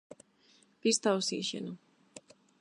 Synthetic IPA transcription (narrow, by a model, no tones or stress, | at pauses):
pist̪ʰawsiʃɛ̰nu